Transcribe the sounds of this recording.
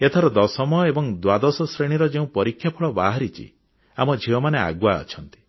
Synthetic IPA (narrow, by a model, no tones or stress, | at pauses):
et̪ʰaɾɔd̪ɔsɔmɔjɔebɔŋd̪wad̪ɔsɔsɾeɽ̃iɾɔd͡ʒeũpɔɾikʰːjapʰɔɭɔbaɦaɾit͡ʃʰḭ | amɔd͡ʒʱiɔmanea̰ɡwaɔ̰t͡ʃʰɔnt̪i̥